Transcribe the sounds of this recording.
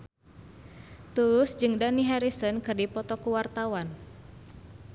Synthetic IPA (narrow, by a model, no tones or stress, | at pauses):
t̪ulʊsd͡ʒɨŋdaniɦaɾisɔnkɨrdipɔt̪ɔkuwart̪awan